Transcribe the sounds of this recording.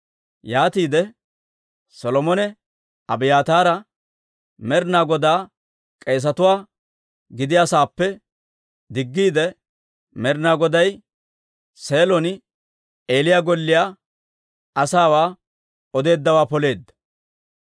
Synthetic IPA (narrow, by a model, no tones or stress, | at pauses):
jaːt̪iːd̪ɛ | sɔlɔmɔnɛ | ɐbɪjaːt̪aːɾɐ | mɛɾnaːɡɔd̪aː | kʼe̞ːs̬ɐt̪ʊwaː | ɡɪd̪ɪjasaːpːɛ | d̪ɪɡːiːd̪ɛ | mɛɾnaːɡɔd̪ɐj | se̞ːlɔnɪ | e̞ːlɪjaːɡɔlːɪja | ʔɐsaːwaː | ɔd̪e̞ːd̪ːɐwaːpɔle̞ːd̪ːɐ̥